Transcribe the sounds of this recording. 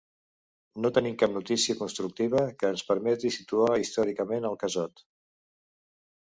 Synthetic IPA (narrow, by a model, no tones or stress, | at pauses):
not̪ənimkap̚nut̪isiəkunst̪ɾuk̚t̪iβ̞əkəːnspəɾmɛt̪isit̪uaist̪ɔɾikəmenəlˠkəzɔt̪